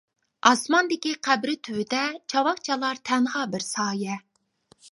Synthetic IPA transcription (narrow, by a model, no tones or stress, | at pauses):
ɑsmɑnd̪ɪkʲiqʰæbɾɪt̪ʰywɪd̪ɛt͡ʃʰɑwɑqt͡ʃʰɑlˠɑɾt̪ʰɛŋʁɑbɪɾsɑːjɛ